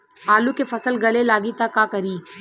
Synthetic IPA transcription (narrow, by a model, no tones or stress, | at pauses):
ɦaːlukefɐsəlɡɐlelaːɡit̪akaːkɐɾiː